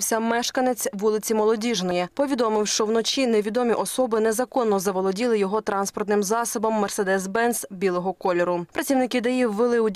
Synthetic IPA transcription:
wsʲɐmɛʃkɐnet͡sʲʋulˠɪt͡sʲimɔlˠɔdʲiʒnɔjɛpɔʋʲid̪ɔmɪwʃt͡ʃɔwnɔt͡ʃʲineʋʲid̪ɔmʲiʔɔsɔbɪnezɐkɔnːɔzɐʋɔlˠɔdʲilˠɪjɔɦɔt̪ɾɑnspɔrt̪nɪmzɑsɔbɔmːɛrsed̪ɛsbɛnsbʲilˠɔɦɔkɔlʲɔɾʊpɾɐt͡sʲiwnɪkɪd̪ɐjiwːelˠɪwdʲ

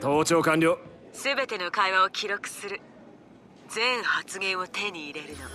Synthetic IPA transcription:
t̪oːt͡ɕo̞ːkãɲɾʲoː | sɨbe̞t̪e̞no̞kaiβaokʲiɾo̞kɯ̟̥sɨɾɯ̟ | d͡zẽ̞ɰ̃hat͡sɨɡẽ̞ɰ̃o̞t̪e̞ɲ̟iːɾe̞ɾɯ̟no̞

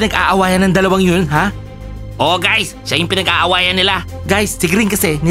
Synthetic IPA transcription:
ɪnɐɡʔa̰ːʔɐwaːjɐnɐŋd̪ɐlɐwaŋjonɦa | ʔoɡajsːajʊŋpɪnɐɡʔaːʔɐwaːjɐnːɪla | ɡajsːɪɡɾɪŋkɐsɛnɪ

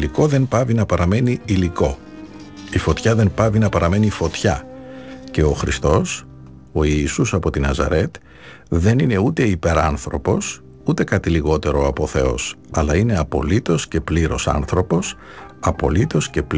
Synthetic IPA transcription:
liko̞ðe̞npɐvinɐpɐɾɐme̞niiliko̞ | ifo̞t̪çɐðe̞mpɐvinɐpɐɾɐme̞nifo̞t̪çɐ | ce̞o̞xɾist̪o̞s | o̞iːsusɐpo̞t̪inɐzɐ̰ɾe̞t̪ | ðe̞nine̞ut̪e̞ipe̞ɾɐ̰nθɾo̞po̞s | ut̪e̞kɐt̪iliɣo̞t̪e̞ɾo̞ɐpo̞θe̞̰o̞̰s | ɐlɐine̞ɐpo̞̰lit̪o̞sce̞pliɾo̞̰sɐ̰nθɾo̞po̞s | ɐpo̞̰lit̪o̞sce̞p

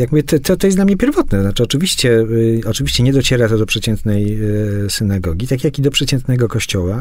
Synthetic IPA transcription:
jakmuvʲjɛt̪ɛt̪ɔt̪ːɔjɛsd̪lamɲɛpʲjɛɾvɔt̪nɛt̪ɔznat͡ʂɘɔt͡ʂɘvʲiɕt͡ɕɛɔt͡ʂɘvʲiɕt͡ɕɛɲɛd̪ɔt͡ɕɛɾat̪ɔd̪ɔpʂɛt͡ɕɛnt̪nɛjsɘnaɡɔɡʲit̪akjakid̪ɔpʂɛt͡ɕɛnt̪nɛɡɔkɔɕt͡ɕɔwa

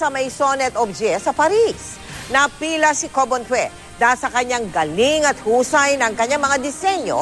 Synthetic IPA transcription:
sɐmɐjsonɛt̪obd͡ʒɛsɐpɐɾis | nɐpiːlɐsikobont̪wɛ | d̪aːsɐkɐɲaŋɡɐliŋɐt̪̚huːsɐjnɐŋkɐɲːaŋmɐŋad̪ɪsɛɲo̰

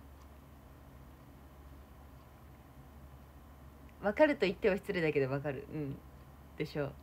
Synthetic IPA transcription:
βakaɾɯ̟t̪o̞it̪ːe̞βaɕi̥t͡sɨɾed̪ake̞d̪o̞βakaɾɯ̟̰ʔɯ̟̃ɴ | d̪̥e̞ɕo̞ː

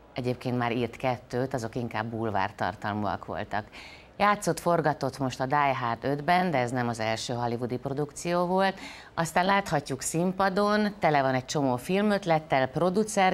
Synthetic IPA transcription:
ɛɟeːp̚keːnt̪maːɾiːrt̪kɛt̪ːøːt̪ɒzo̞kiŋkaːbːulva̰ːrt̪ɒ̰rt̪ɒlmuɒ̰kʋo̞̰lt̪ɒk | jaːt̪so̞t̪fo̞rɡɒt̪o̞t̪mo̞ʃt̪ɒd̪aːjɦaːt̪ø̞d̪bɛnd̪ɛɛznɛmɒzɛlʃøːɦɒlivud̪ipro̞d̪ukt̪sijoːvo̞lt̪ | ɒst̪aːnlaːt̪hɒcːuksimpɒd̪ont̪ɛlɛvɒnɛc̚t͡ʃo̞moːfilmø̞t̪lɛt̪ːɛlpro̞d̪ut̪sɛr

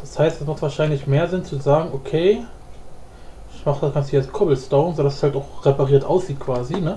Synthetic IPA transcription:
d̥ashaɪstd̥ɛsmaχtv̥aːɐʃaɪnlɪçmeːɐzɪnt͡suzaːɡŋ̩ʔokʰeː | ʔɪçmaχd̥akʰanshiːaskʰɔbl̩stoʊnzoːdasɛ̥shaltaʊxʁepaʁiːɐtʔa̰ʊsz̥iːt̚kʰv̥aːzinə

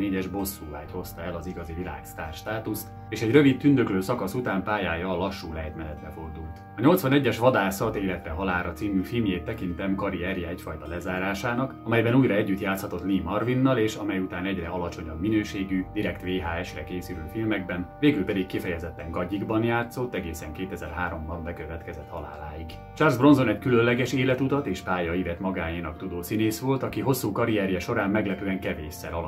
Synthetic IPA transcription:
eːɟɛʒbo̞sːuːvaːcho̞st̪ɒɛlɒziɡɒzivila̰ːkst̪aːrʃt̪aːt̪ust̪ | eːʃɛɟrø̞vit̪ːynd̪økløːsɒkɒsut̪aːmpaːjaːjɒːlɒʃːuːlɛɛt̪mɛlɛt̪lɛfo̞rd̪ult̪ɒɲo̞lt̪sʋɒnɛɟːɛʃʋɒd̪aːsɒt̪eːlɛt̪rɛɦɒlaːɾɒt̪siːmyːfilmjeːt̪ːɛkint̪ɛmkɒɾiɛɾjɛɛcfɒjt̪ɒlɛzaːɾaːʃaːnɒkɒmɛjbɛnuːjɾɒɛɟːyt̪jaːt̪shɒt̪o̞t̪liːmɒrvinːɒleːʃɒmɛjut̪aːnɛɟrɛɒlɒt͡ʃo̞ɲɒbminøːʃeːɡyd̪iɾɛkt̪ʋeːɦaːɛʃrɛkeːsyɾøːfilmɛɡbɛnveːɡylpɛd̪ikːifɛjɛzɛt̪ːɛŋɡɒɟiɡbɒnjaːt̪so̞t̪ːɛɡeːsɛŋkeːt̪ɛzɛ̰rɦaːɾo̞mbɒɱbɛkøvɛt̪kɛzɛt̪hɒla̰ːla̰ːjiɡ | t͡ʃarzbro̞nzo̞nɛckyløllɛɡɛʃeːlɛt̪ut̪ɒt̪eːʃpaːjɒivɛt̪mɒɡaːjiːnɒkt̪ud̪oːsineːsʋo̞lt̪ɒkiɦo̞sːuːkɒɾiɛɾjɛʃo̞ɾaːmːɛɡlɛpyːɛŋkɛveːʃɛ̰ɾɒl

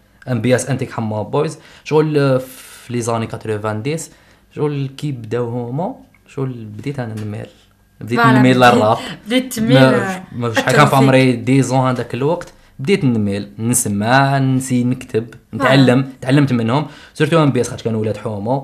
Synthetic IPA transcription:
ʔæmbjæsʔənt̪ikħamːobojzʃɣulfflizɑnikæt̪ɾivænd̪is | ʃɣulkibd̪æwhʊmu | ʃɣulbd̪it̪ʔænænmḭl | bd̪it̪nnmilərˤːɑfd̪æmæfiʃħakæfʕomɾid̪izũhæd̪ækəlwɑqt̪ | bd̪it̪nəmilnəsmansinəkt̪ʰəbnət̪ʕalːəmt̪ʕalːəmt̪mənhʊmsəɾt̪uʔæmbjæsxæt̪kænwlæd̪ħʊmu

